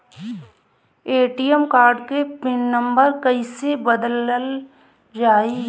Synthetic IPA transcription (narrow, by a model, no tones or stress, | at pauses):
eːʈijəmkaːɾɖkepɪnːə̃mbəɾkɐisebəd̪ləl | d͡ʒaːi